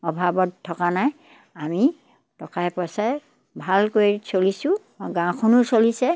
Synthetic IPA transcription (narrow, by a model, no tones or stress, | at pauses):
ɔbʱabɔttʰːɔkanaj | ami | tɔkaɛpɔsɛ | bʱalkoisolisʊ̃ | ɡãkʰɔnʊsolisɛ